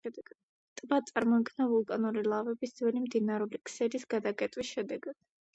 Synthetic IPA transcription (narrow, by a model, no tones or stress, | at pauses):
t̪ʼbat̪sʼaɾmɔikʰnavulˠkʼanuɾilˠavɛbisd̪zwɛlimd̪inaɾulikʰʼsɛɾisɡ̥ad̪akʼɛt̪ʼwisʃɛd̪ɛɡad̪̥